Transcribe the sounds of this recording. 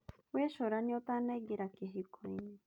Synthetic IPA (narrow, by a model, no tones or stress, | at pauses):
weʃoɾaɲot̪aneɡiɾakeɦikʰoini